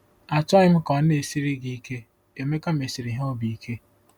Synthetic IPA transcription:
a˨ta˦ɪ˦m̩˦kɔ˨˦n˦e˨si˦ɾi˦ɡi˨˦ke˦ | e˨me˦ka˦m̩e˨si˨ɾi˨ɦo˦bi˨i˦kʰe˦

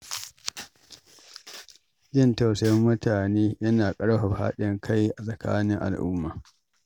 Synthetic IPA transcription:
d͡ʒɪ˦nta˨wsɐ˦mːʊ˦taː˨neː˦jɐ˦naː˨kʼɐ˦ɽɸa˨ɸa̰ː˦ɗɪ˦ŋkʰa˦jʔa˨sʼɐ˨ka̰ː˦nɪ˦ŋʔa̰˨lʔʊ˦mːaː˨

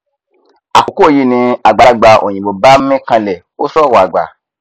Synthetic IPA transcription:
a̰˨ko˨ko˦˨ji˦˨nĩ˧a˨ɡ͡ba˨˧˦ɡ͡ba˧ʔo̰˨jĩ˨bo˨ba˦mɛ̃˦kã˧lɛ˨ | o˦sɔ˦˨wɔ˨a˨ɡ͡ba̰˨

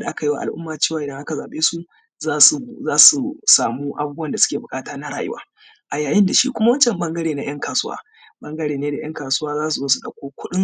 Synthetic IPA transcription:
da˨ʔa˦ka˨ji˦wa̰˨ʔa̰˨lʔʊ˦mːaː˨t͡ʃeː˦˨waː˨ʔɪ˨dɐ˦ŋʔa˦ka˨zaː˨ɓeː˦su˦ | zaː˦su˨zaː˦su˨saː˨muː˦ʔa˨buː˦bu˦wɐ˨nda˨sʊ˦kʲeː˨bʊ˨kʼaː˦taː˦na˦ɽa̰ː˨jʊ̰˦wa̰ː˦ | ʔa˨jaː˨jɪ˦nda˨ʃḭ˦kʷʊ˦ma˦wɐ˦nt͡ʃɛ˨mbɐ˦ŋɡɐ˦ɽeː˨na˦j̰ɐ˦ŋkaː˨sʊ˦wa̰ː˦ | bɐ˦ŋɡɐ˦ɽeː˨neː˦da˨j̰ʔɐ˦ŋkaː˨sʊ˦waː˦zaː˦s̬u˨zoː˦su˦ɗɐ̰˨kʷoː˦kʷʊ˦ɗɪ˦ŋ

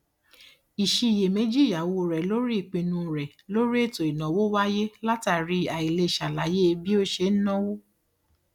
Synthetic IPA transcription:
i˨ʃi˧˨je˨mẽ˨˦d͡ʒi˦˨ja˨wo˧˨ɾɛ˨lo˦ɾi˦i˦˨k͡pĩ˧nũ˧˨ɾɛ˨ | lo˦ɾi˦e˦˨to˨i˨nɔ̃˨wo˦wa˦je˦la˦ta˨ɾi˧˦a˨i˨le˧˨ʃa˨la˨˦je˦e˧bi˦o˦ʃe˧˦n̩˦nɔ̃˦wo˦

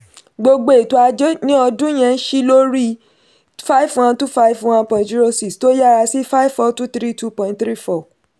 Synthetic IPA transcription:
ɡ͡bo˧ɡ͡be˨to˧a˧d͡ʒe˦nĩ˦ɔ˧dũ˦j̃ɛ̃˧n̩˦ʃi˦lo˦ɾi˦˨ | fa˦i˦fwã˦ntu˦fa˦i˦fwã˦npɔ̃˨td͡ʒi˦ɾo˧si˦ksto˦ja˦˨ɾa˧si˦fa˦i˦vfɔ˧tu˦t̪ɾi˦tu˦pɔ̃˧ĩ˧ntθɾi˦fɔ˦˨

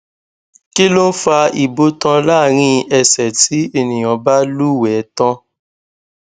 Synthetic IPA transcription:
ki˦lo˦n̩˦fa˧i˨bo˦tã˧laː˦˨ɾ̃ĩ˧˦ɛ˧sɛ˨tʰi˨˦e˦˨nĩ˨j̃ã˨ba˦lu˦˨wɛ˨˦tã˧

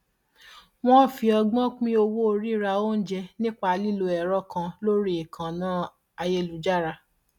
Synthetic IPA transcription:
w̃ɔ̃˦˨fi˧ɔ˧ɡ͡bɔ̃˦k͡pĩ˦o˧wo˦o˧ɾi˦ɾa˧o˦n̩˦d͡ʒɛ˧nĩ˦k͡pa˧li˦lo˧ɛ˨ɾɔ˦kã˧lo˦ɾi˦e˨kʰã˨nãː˨˦ | a˧je˧lu˨˦d͡ʒa˦˨ɾa˧

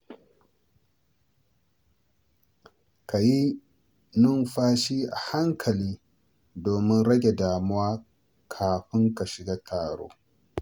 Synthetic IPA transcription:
kʰa˨ji˦ | nʊ˦nɸaː˦ʃiː˦ʔa̰˨ha˦ŋkʰɐ˨liː˦ | doː˨mɪ˦nɽɐ˦ɡʲe˨daː˨mʊ˦waː˦ | kʰaː˨ɸɪ˦ŋka˨ʃɪ˨ɡaː˦tʰaː˨ɽo̰ː˦

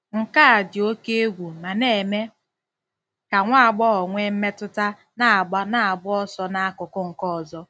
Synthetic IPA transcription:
ŋ̩˨ka˦a˨dɪ˨o˦ke˦e˦ɡʷu˨ma˨ne˨e˨me˦ | ka˨ŋʷa˦a˨ɡ͡bɔ˦ɔ˨ŋʷe˦m̩˦me˦tʊ˦ta˦ | na˦a˨ɡ͡ba˦na˦a˨bʊ˦ɔ˦sɔ˦na˦a˦kʊ˨kʊ˦ŋ̩˨kɔ˦ɔ˨zɔ˦

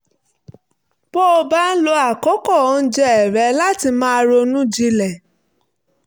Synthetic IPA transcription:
b̥ɔ˦ɔ˧ba˦n̩˦lo˧a˦˨kɔ˨˦kɔ˦˨ɔ˨˦n̩˦d͡ʒɛ˧ɛ˨ɾɛ˨˦la˦ti˧mãː˦˧ɾo˧nũ˦d͡ʒi˧lɛ˨

